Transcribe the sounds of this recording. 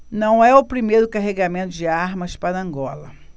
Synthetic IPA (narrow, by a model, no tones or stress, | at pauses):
nɐ̃w̃ɛʊpɾimejɾʊkaɦeɡamẽnt̪ʊd͡ʒɪaɾmɐspaɾɐɐ̃ɡɔlɐ